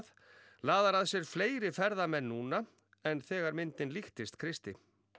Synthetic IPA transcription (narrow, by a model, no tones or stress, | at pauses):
ð | laːðaɾaðsjɛɾ̥fleːjɾɪfɛɾðamɛnːuːna | ɛnθɛːɣaɾmɪnt̪ɪnlixt̪ɪst̪kʰɾɪst̪ɪ